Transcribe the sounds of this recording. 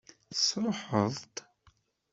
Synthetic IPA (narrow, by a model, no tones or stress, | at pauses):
sɾoħəðˤt̪